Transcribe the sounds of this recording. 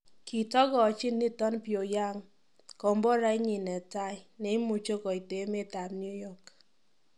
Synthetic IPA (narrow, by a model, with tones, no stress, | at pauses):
ki˨tɔ˦kɔ˨t͡ʃɪ˦nːi˦tɔ˦npjo˨ja˦ŋ | kɔ˨mbɔ˦ɾa˦i˦ɲi˨nɛ˨ta˦i˦ne˨˦i˦mu˨t͡ʃo˦kɔ˨i˨te˨˦me˦˨ta˨pnju˦jɔ˦˨k